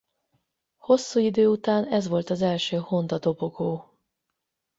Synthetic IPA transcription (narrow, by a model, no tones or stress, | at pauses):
ho̞sːuːid̪øːut̪aːnɛzʋo̞lt̪ɒzɛlʃøːho̞nd̪ɒd̪o̞bo̞ɡoː